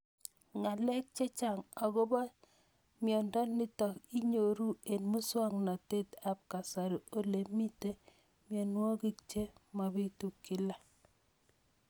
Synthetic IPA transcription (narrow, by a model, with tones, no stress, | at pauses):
ŋa˨lɛ˦k̚t͡ʃe˦t͡ʃa˨ŋa˨ɡo˦ba˦ | mjɔ˨ndɔ˦ni˦tɔ˨ki˦ɲo˨ɾu˦e˨nmu˦swa˦ŋna˨te˦ta˨p̚ka˨sa˨ɾi˨o˨le˨mi˦te˦ | mjɔ˨nwɔ˦ɡi˦k̚t͡ʃe˦ma˨bi˦tu˨kːi˦la˦